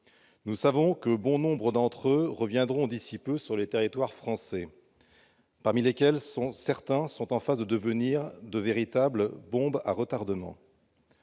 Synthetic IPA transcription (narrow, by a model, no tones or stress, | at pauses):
nusavɔ̃kəbɔ̃nɔ̃bʁəd̪ɑ̃t̪χøʁəvjɛ̃d̪ʁɔ̃d̪isipøsyʁlet̪eʁit̪waʁfχɑ̃sɛ | paʁmilekʲɛlsɔ̃sɛʁt̪ɛ̃sɔ̃t̪ɑ̃fazd̪əd̪əvəniʁd̪əveʁit̪abləbɔ̃ba̰ʁət̪aʁd̪əmɑ̰̃